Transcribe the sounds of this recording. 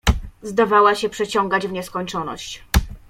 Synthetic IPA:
zd̪avawaɕɛpʂɛt͡ɕɔŋɡad͡ʑvɲɛskɔɲt͡ʂɔnɔ̰ɕt͡ɕ

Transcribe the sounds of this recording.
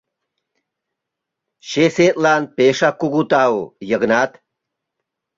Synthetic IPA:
ɕeːseːt̪laːnpeːʂakuɡut̪aːwojɐɡnaːt̪

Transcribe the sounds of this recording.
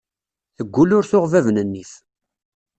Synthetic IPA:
θəɡʷːulʊɾθʊʁvævnənːiθ

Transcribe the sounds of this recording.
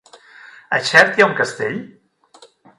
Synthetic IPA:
ə̰ʃɛɾt̪iauŋkəst̪eʎ

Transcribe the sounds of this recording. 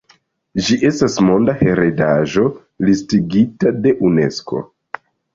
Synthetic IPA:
d͡ʒiʔe̞stasmo̞ndahe̞ɾedaʒo̞ | listiɡitade̞ʔune̞sko̞̰

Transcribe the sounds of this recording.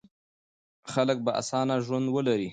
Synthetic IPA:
xalək̚baʔa̰sɑnaʒwand̪wəlaɾi

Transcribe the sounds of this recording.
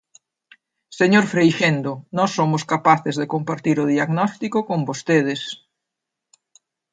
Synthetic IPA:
seɲoɾfɾejʃend̪onɔsːomoskapaθezðekompaɾt̪iɾoðiaɣnɔst̪ikokombost̪eð̞es

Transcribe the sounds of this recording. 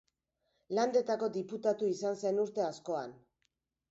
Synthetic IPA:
land̪e̞t̪ako̞d̪iput̪at̪uisansenuɾt̪e̞asko̞an

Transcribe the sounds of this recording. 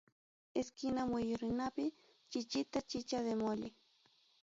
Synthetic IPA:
eskɪnamwɪjʊɾɪnapɪ | t͡ʃɪt͡ʃɪt̪at͡ʃɪt͡ʃaðemoʎɪ

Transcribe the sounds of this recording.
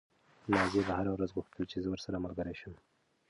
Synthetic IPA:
nɑzebahaɾawɾazɣuxt̪ʰəlt͡ʃezəwəɾsaɾamalɡaɾeʃəm

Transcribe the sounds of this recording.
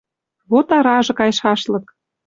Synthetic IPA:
βot̪ɑɾɑʒɤ̆kɑjʃɑʃlɤ̆k̚

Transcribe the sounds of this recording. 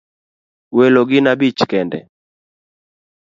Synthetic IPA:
wɛloɡɪnabit͡ʃkɛndɛ̰

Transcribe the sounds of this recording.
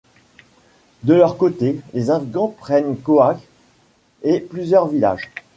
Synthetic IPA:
d̪əlœʁkot̪elezɛ̃viɡɑ̃pχɛnkoak | eplyzjœʁvila̰ʒ

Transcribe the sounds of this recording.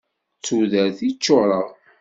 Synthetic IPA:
t͡sːuðəɾθit͡ʃːoʁɾˤəʁ

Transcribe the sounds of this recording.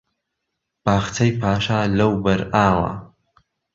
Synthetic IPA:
b̥aːxt̪ʰɐjpʰaːʃaːlɐwbɐɾaːwɐ̰

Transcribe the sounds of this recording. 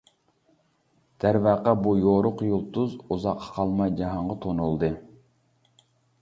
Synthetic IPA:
d̪̥æɾvæːqɑbujoɾʊqjolˠt̪uzuzɑqʰːɑ̥qʰɑlˠmɑjd͡ʒɑɦɑɴʁɑt̪ʰonulˠd̪ɨ

